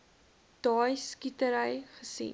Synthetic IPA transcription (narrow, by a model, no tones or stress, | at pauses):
d̥ɑːjskitəɾəjχəsḭn